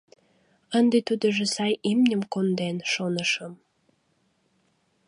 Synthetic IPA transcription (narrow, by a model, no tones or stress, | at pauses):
ənd̪et̪ud̪əʒesɑjimnʲəmkond̪enʃonəʃəm